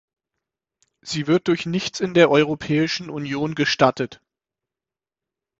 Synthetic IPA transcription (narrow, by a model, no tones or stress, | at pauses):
z̥iːvɪɐt̚d̥ʊɐçnɪçt͡sɪndeːɐʔɔʏʁ̞opʰɛːɪʃn̩ʔunjoːnɡəʃtatət